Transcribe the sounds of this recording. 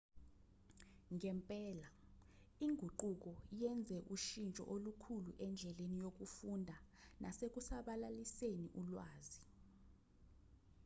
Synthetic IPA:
ŋɛmpʼɛːla | iŋʱuǃuk̬ɔjɛnd͡zʱɛʔuʃint͡ʃʼɔ̰ʔolukʰuluʔɛnd͡ɮʱɛlenijok̬ufundʱa | nʔasek̬usaɓalaliseniʔulwaːzi

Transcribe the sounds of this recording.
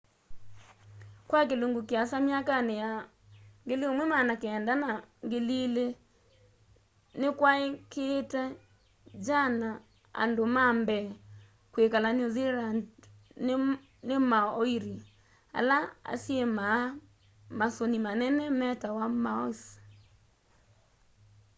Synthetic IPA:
kwak̬eloŋɡukeasamjakaneja | ŋɡeleomwɛmanakeːndanaŋɡelile | nekwaekeːtɛ | d͡ʒana | a̰ndomambɛ | kwekalanioziladn | nemaɔiɾi | a̰laa̰sjema | masonimanɛnɛmɛtawamaɔs

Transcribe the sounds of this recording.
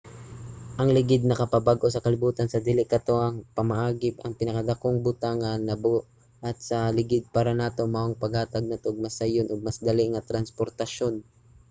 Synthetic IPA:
ʔɐŋlɪɡɪd̪̚nɐkɐpɐbaɡʔo̞sɐkɐlɪbuːt̪ɐnsɐd̪ɪlɪʔkɐt̪oʔɐŋpɐmɐʔaːɡɪpɐŋpɪnɐkɐd̪ɐkoŋbʊt̪aŋɐnnɐboʔ | ʔɐt̪̚sɐlɪɡɪd̪̚paːɾɐnaːt̪o̞maʔoŋpɐɡhaːt̪aɡ̚nat̪oɡ̚mɐsajonʔoɡ̚mɐsd̪ɐlɪʔŋɐt̪ɾɐnspo̞ɾt̪ɐʃo̞n

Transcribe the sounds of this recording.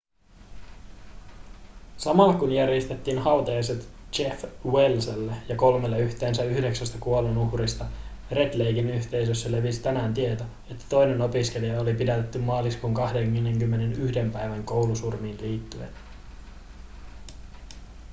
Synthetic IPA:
sɑmɑlːɑkunjærjest̪e̞t̪ːiːnhɑwt̪ɑɑset̪t͡ʃe̞fwelselːejɑko̞lmelːeyçt̪e̞ːnsæyhde̞ksæst̪ækuo̞lenuhrist̪ɑ | re̞d̪lejɡinyçt̪e̞js̬øsːæle̞ʋisi̥t̪ænæːnt̪ie̞t̪o | e̞t̪ːæ̥t̪o̞jne̞no̞piske̞lijɑolipidæt̪et̪ːymːɑːliskuŋkɑhde̞ŋneŋkymːe̞nenyhde̞mpæjʋæŋko̞wlusurmiːnliːt̪ːyḛt̪

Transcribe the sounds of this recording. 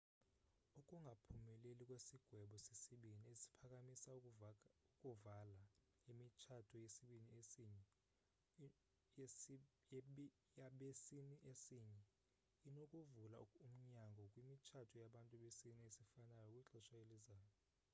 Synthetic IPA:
ukʼuŋɡʱapʰumɛlelikʼwesiɡ̥ʱwɛɓɔsesiɓiniesi̥pʰak̬ʼamisa | ukʼuvala | imit͡ʃʰatʰɔjesiɓiniesiːɲɛ | jaɓesiniʔesiːɲɛ | inokʼuvulaum̩ɲaŋɡʱɔkʼwimit͡ʃʰatʰɔjaɓantʼuɓesiniesifanajɔkʼwiǁɛʃajelizaːjɔ

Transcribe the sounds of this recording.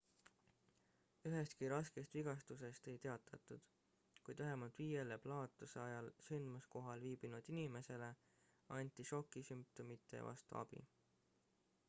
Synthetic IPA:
yɦe̞st̪kiɾɑske̞st̪viɡ̥ɑst̪us̬e̞st̪e̞jt̪e̞ɑt̪ːˑɑt̪ːˑud̪̥ | kujd̪væɦemɑlt̪viːje̞le̞plɑːt̪ːˑuseɑjɑlsynd̪̥musko̞ɦɑlviːb̥inud̪̥inime̞se̞le̞ | ɑnʲt̪ːˑiʃo̞kːˑisymp̚t̪omit̪ˑːe̞̰vɑ̰st̪ṵɑ̰b̥ḭ

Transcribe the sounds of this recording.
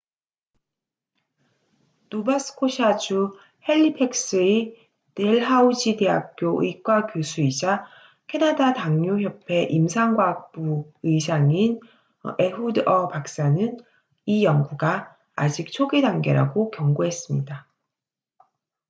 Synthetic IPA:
nobasʰɯ̥kʰoɕʰad͡ʑu | he̞ʎːipʰe̞k̚s͈ɯi | teɭɦaud͡ʑide̞ɦak̚k͈joʔɯ̰ik͈wakjosʰuid͡ʑa | kʰe̞nadataŋɲuçjʌpʰe̞ʔimsʰaŋɡwak̚p͈uɯisʰaŋin | e̞udʌpak̚s͈anɯn | ijʌŋɡuɡa̰ː | d͡ʑik̚t͡ɕʰoɡidaŋɡe̞̰ɾa̰ɡokjʌŋɡoɦe̞s͈ɯmɲida

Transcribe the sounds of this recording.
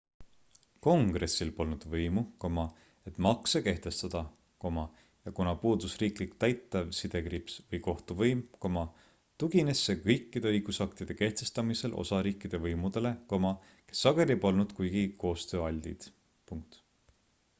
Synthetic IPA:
ko̞ŋɡ̥re̞sːilpo̞lnud̪̥vɤjmuko̞mɑ | e̞t̪mɑkseke̞ht̪e̞st̪ɑd̪̥ɑ | ko̞mɑ | jɑkunɑpuːd̪usriːklikt̪æjt̪ːˑɑvsid̪̥e̞kripsvɤjko̞ht̪uvɤjmko̞mɑ | t̪uɡ̥ine̞sːe̞kɤjkˑːid̪̥e̞ɤjɡ̥usɑkt̪id̪̥e̞ke̞ht̪e̞st̪ɑmise̞lʔo̞̰sɑɾiːkˑːid̪̥e̞vɤjmud̪̥ele̞komɑ | ke̞̥sːɑɡ̥e̞lʲiepo̞lnud̪̥kujɡ̥iko̞ːst̪ø̞ːɑlʲːḭd̪̥ | puŋk̚t̪

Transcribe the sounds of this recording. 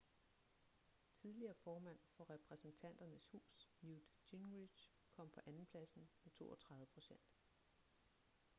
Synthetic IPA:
t͡sʰiðˠliɐːfɒːmæn̰fɒ̽ʁɛpʰʁɛsn̩t͡sʰæn̰d̥ɐnəshṵːsnjud̥iŋi̥ɕ | kʰɒ̽m̰pʰɒ̽ʔænn̩pʰlæsn̩met͡sʰo̝̰ːɒt͡sʰʁɑ̈ðˠəpʰʁo̝ɕen̰d̥

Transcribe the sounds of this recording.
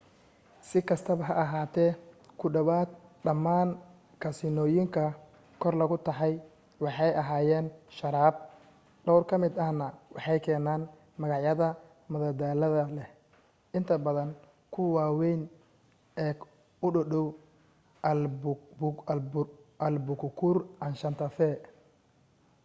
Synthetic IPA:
sɪkʰɐst̪ʰɐβɐɦɐʔɐɦaːt̪ʰɛːkʰʊɖɐwaːd̪ɖɐmaːn | kʰɐsɪnɔːjɪŋkʰɐ | kʰɔrlɐɣʊt̪ʰɑħɑj | wɑħɑjʔɐɦaːjɛːnʃɐɾaːb̚ | ɖɔwrkʰɐmɪd̪ɐhnɐwɑħɑjkʰɛːnaːn | mɐɣɑʕjɐðɐ | mɐðɐd̪aːlɐðɐlɛ | ʔɪnt̪ʰɐbɐðɐn | kʰʊwaːwɛjn | ɛː | ʊɖɔɗɔw | ɐlbʊkʰʊkʰʊrʔɐnʃɐnt̪ʰɐfɛ

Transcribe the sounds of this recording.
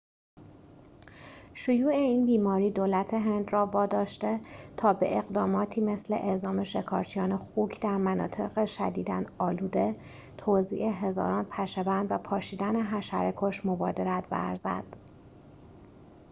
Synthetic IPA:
ʃojuːeiːnbiːmɒːɾiːd̪oːlæt̪ʰe̞ɦe̞nd̪rɒːvɒːd̪ɒːʃt̪e̞t̪ʰɒːbe̞̰ʔeɣd̪ɒːmɒːt̪ʰiːme̞sle̞̰ʔezɒːme̞ʃe̞kʰɒ̰ːɾt͡ʃʰijɒːnexuːkʰd̪æɾmænɒ̰ːt̪ʰe̞ɣeʃæ̰d̪iːd̪æ̰nɒːluːd̪e | t̪ʰoːzḭːʔeɦe̞zɒ̰ːɾɒːnpʰæʃebænd̪væpʰɒːʃiːd̪æneɦæʃæ̰ɾekʰoʃmobɒːd̪eɾæt̪ʰbæ̰ɾzæ̰d̪̥

